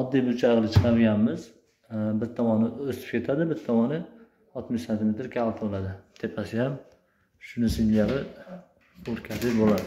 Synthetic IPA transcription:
ɒd̪ːijbʊt͡ʃʰajʁɨlˠɪt͡ʃʰɨ̥qʰɑɾɡʲanmɪz | bɪɾt̪ʰɒmɒnɪost̪ɪ̥p̚kʲʰe̞t̪ʰad̪ɪbɪt̪t̪ʰːɒmɒnɪ | ɒt̪mɪʃsant̪ʰɪmet̪ɾkʲʰalˠt̪ʰbolˠad̪ɪt̪ʰe̞pʰasɪjam | ʃʊnɪsɪnd͡ʒaɾɪ | oɾkʲʰad̪ɪbolad̪ɪ

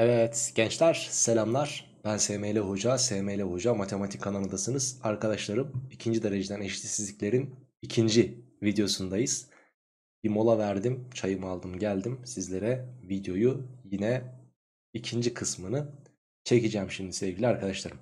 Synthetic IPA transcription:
ɛvɛt̪ɟ̥ɛnt͡ʃlʲæɾ̥selʲamlˠaɾ̥ | b̥ænsemejlʲɛɦo̞d͡ʒasemejlʲɛɦo̞d͡ʒamat̪ʰe̞mat̪ʰikʰananad̪asɯnɯz̥aɾkʰad̪aʃlˠaɾɯmicʰind͡ʒid̪eɾe̞d͡ʒed̪æneʃit̪ʰʲisizlʲiclʲe̞ɾinicʰind͡ʒivid̪jo̞sund̪ajɯz̥ | b̥imo̞lˠavæɾd̪imt͡ʃʰajɯmalˠd̪ɯmɟælʲd̪imsizlʲe̞ɾɛvid̪jo̞jujinɛ | icʰind͡ʒikʰɯsmɯnɯ | t͡ʃʰe̞cid͡ʒæmʃimd̪isevvɟilʲiaɾkʰad̪aʃlˠaɾɯm

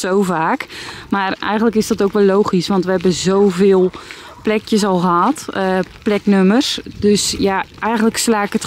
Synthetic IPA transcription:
sowvaːkmarɛ̰jɣəntləkɪsdɔtowkʋɛlːowxisʋɑntʋəhɛbənzowvɪːlˠ | plɛkjəs̬ɔlˠɣəɦɑtplɛknømərsdøsjaʔɛjxənləkslaːɪkət

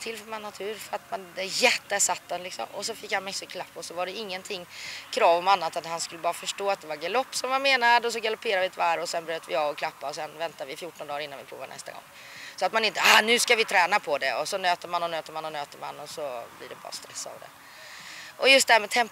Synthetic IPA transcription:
t̪ʰɪlfœɾmanːat̪ʰʉ̟ːɾfœɾat̪mand̪ɛjɛt̪ːəæʂat̪ːalɪksɔ̰mɔsɔfɪkːhanmɛksɪkʰlapːɔsɔvaɖɛɪŋːənt̪ʰɪŋːkʰɾɑːvɔmanːat̪at̪hanskɵlːəbɑːɾafœʂʈoːat̪̚d̪ɛvaɾɡalɔpːsɔmvameːnad̪ɔs̬ɔɡalʊpʰeːɾavɪt̪ʰvaɾɔsɛnbɾøːt̪vɪ̰ɑːvɔkʰlapːaɔsɛnvɛnt̪avɪfjuːʈːɔnd̪ɑːɾɪnːanvɪpʰɾṵːva̰nɛ̰st̪a̰ɡɔ̰ŋː | sɔat̪manɪnt̪əanʉ̟ːskavɪt̪ʰɾɛːnapʰɔd̪ɛɔsɔnøːt̪əmanːɔnøːt̪əɾmanːɔnøːt̪əɾma̰nːɔsɔblɪ̰ɖɛbɑ̰ːɾa̰st̪ɾɛsːa̰vd̪ɛ̰ | ʔɔjɵst̪d̪ɛæːmɛt̪ʰɛmp

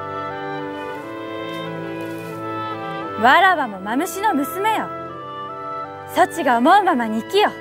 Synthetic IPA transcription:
βaɾaβamo̞mamɯɕino̞mɯ̟sɨme̞jo | sot͡ɕiɡaomoɯmamaɲ̟iːkijo

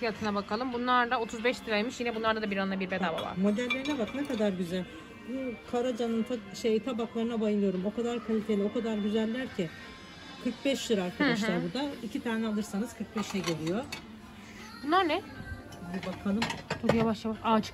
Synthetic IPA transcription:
fijat̪ʰɯnabakʰalˠɯmbunlˠaɾd̪ao̞t̪ʰuzbɛʃt̪iɾalʲmiʃjinɛbunlˠaɾd̪ad̪abiɾannabiɾbed̪aːba̰va̰ɾmo̞d̪ælʲːeɾinɛbaknɛkad̪aɾɟyzælʲ | kʰaɾad͡ʒanɯnt̪ʰaʃejt̪ʰabaklˠaɾɯnabajɯlˠɯjo̞ɾumo̞kad̪aɾkʰalʲife̞lʲio̞kʰad̪aɾɟyzælʲːæɾcʰɪ | kʰɯɾk̚bɛʃlɯɾaɾkʰad̪aʃlˠaɾbud̪aicʰit̪ʰaːnɛalˠɯɾsanɯz̥kʰɯɾk̚bɛʃɛɟelʲijo | bunlˠaɾnɛ | ibakʰalˠɯmbujavaʃjavaʃaːt͡ʃɯ̥k

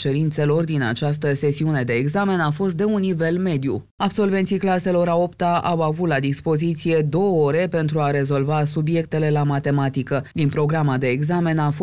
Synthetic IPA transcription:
t͡ʃe̞ɾint̪se̞lo̞rd̪ina̰t͡ʃas̬t̪əse̞siune̞d̪e̞ːɡzame̞nafo̞st̪̚d̪e̞unːive̞lme̞d̪jṵ | abso̞lvent̪sijklase̞lo̞ɾao̞pt̪aʔawavut̪lad̪ispo̞zit̪sije̞d̪o̞wəo̞ɾe̞pe̞nt̪ɾuaɾe̞zo̞lvasubje̞k̚t̪e̞le̞lamat̪e̞mat̪ikəd̪inpɾo̞ɡɾamad̪e̞ːɡzame̞nafo

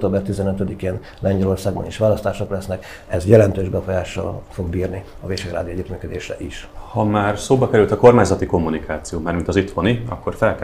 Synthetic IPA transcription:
t̪oːbɛrt̪izɛnøt̪ød̪ikeːn | lɛɲɟɛlo̞rsaːɡbɒ̰niʃʋaːlɒst̪aːʃoklɛsnɛk | ɛzjɛlɛnt̪øːʒbɛfo̞jaːʃːɒ̰lfo̞ɡbiːrni | ɒveːʃeɡra̰ːd̪ioɛɟːyt̪myːkød̪eːʃrɛ̰ʔiʃhɒmaːrsoːbɒkɛɾylt̪ɒko̞rmaːɲzɒt̪iko̞mːunikaːt̪sijoːmaːrmint̪ɒzit̪honiɒ̰kːo̞rfɛlk

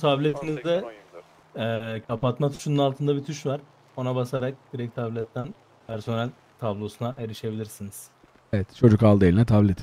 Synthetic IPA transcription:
t̪ʰablʲet̪ʰinizd̪ɛ | kʰapat̪mat̪ʰy̥ʃynɯnalˠt̪ʰɯnd̪abit̪ʰyʃvaɾ̥ | o̞nabasaɾak̚d̪̥iɾɛc̚t̪ʰablʲɛt̪ʰːæn | pʰæɾso̞nælʲ | t̪ʰablˠo̞sunaʔeɾiʃe̞bilʲiɾsiniz̥ | evɛt̪t͡ʃʰo̞d͡ʒukalˠelʲinɛt̪ʰablʲet̪ʰi

